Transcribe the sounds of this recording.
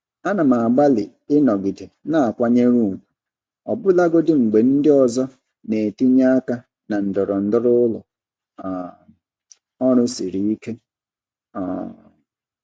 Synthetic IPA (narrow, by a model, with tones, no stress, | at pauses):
a˦na˨ma˨a˨ɡ͡ba˦lɪ˨ | ɪ˦nɔ˨ɡɪ˨de˨na˦a˨kʷa˦ɲe˦ɾu˦˨mu˨ | ɔ˨bʊ˦la˦ɡo˦dɪ˦ŋ͡m̩˨ɡ͡be˨n̩˦dɪ˦ɔ˨zɔ˦ | ne˨ti˦ɲa˦a˦ka˦ | na˨n̩˨dɔ˨ɾɔ˨n̩˨dʊ˦ɾʊ˦ʊ˦lɔ̰˨ | ɔ˦ɾʊ˦si˨ɾi˦i˦ke˦ | ɔ̰˨